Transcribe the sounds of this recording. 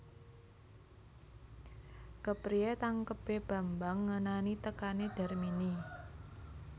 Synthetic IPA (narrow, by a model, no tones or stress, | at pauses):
kəpɾiet̪aŋkəb̥e̤b̥a̤mbaŋːənanit̪əkaneɖ̥a̤rmini